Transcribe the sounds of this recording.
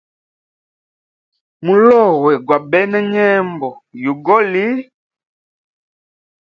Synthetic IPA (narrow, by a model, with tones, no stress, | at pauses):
mu˨lɔ˦˨wɛ˨ɡwa˨bɛ˦nɛ˦ɲɛ˦mbɔ˨ju˨ɡɔ˦li˦